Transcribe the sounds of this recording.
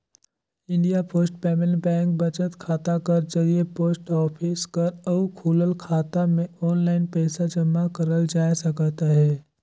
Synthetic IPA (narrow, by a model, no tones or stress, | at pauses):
ɪ̃ɳɖijapoːsʈpɛːmɪlbɛ̃ːŋk̚bɐt͡ʃət̪kʰaːt̪akɐɾd͡ʒɐɾiepoːsʈɔːpʰɪskɐɾɔːkʰuːləlkʰaːt̪amẽɔːnlaːɪnpɛːsad͡ʒəmːakɐɾəld͡ʒaːjsɐkət̪aɦɛː